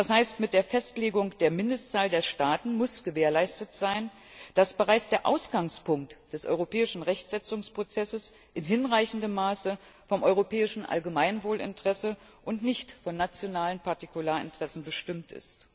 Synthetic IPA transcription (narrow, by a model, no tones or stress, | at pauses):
d̥ashaɪstmɪt̚d̥eːɐfɛstleːɡʊŋd̥eːɐmɪndəst͡saːldeːɐʃtaːtn̩mʊsɡ̥əveːɐlaɪstətz̥aɪn | d̥asb̥əʁaɪt͡sd̥eːɐʔa̰ʊsɡ̥aŋspʊŋk̚td̥ɛsʔɔ̰ʏʁopɛːɪʃn̩ʁɛçtz̥ɛt͡sʊŋspʁ̥ot͡sɛsəs | ʔɪnɦɪnʁaɪçn̩dəmːaːsə | fɔmʔɔʏʁopʰɛːɪʃn̩ʔa̰lɡəmaɪnvoːlɪ̰ntʁ̥ɛsə | ʔʊntnɪçtfɔnːat͡sjonaːlənpʰaɐtikulaːɐɪ̰ntʁ̥ɛsn̩bəʃtɪmtɪ̰st